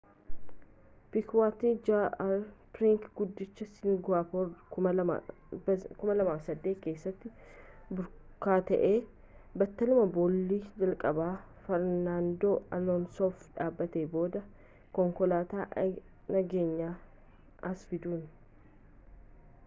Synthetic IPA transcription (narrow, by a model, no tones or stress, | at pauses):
pɪkwaːt̪iːd͡ʒaɾfɾɪŋkɡʊd̪ːɪt͡ʃːɐsɪŋɡaːpɔkʊmɐ̰ | kʊmɐlɐmaːfsɐd̪ːeːt̪ke̞ːsːɐt̪ːɪ | bʊɾ | kaːt̪ɐʔe̞ː | bɐt̪ːɐlʊmɐbɔlːiːd͡ʒɐlkʼɐbaː | fɐɾnaːnd̪oːɐlɔnsoːfᶑaːbːɐt̪eːbo̞ːd̪ɐ | kɔŋkɔlaːt̪aː | nɐɡe̞ːɲːaː | ɐsfɪd̪uːn